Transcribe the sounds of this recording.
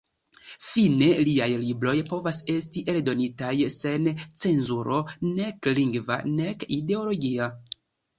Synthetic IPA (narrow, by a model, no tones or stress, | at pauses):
fine̞liajlibɾo̞jpo̞vase̞stiʔe̞ldo̞nitajse̞nt͡se̞nzuɾo̞ne̞kliŋɡva̰ne̞kide̞o̞lo̞ɡia